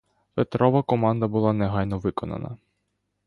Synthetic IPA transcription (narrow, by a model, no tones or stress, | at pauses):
pet̪ɾɔʋɐkɔmɑnd̪ɐbʊlˠɑnɛɦɑjnɔʋɪkɔnɐ̰nɐ̰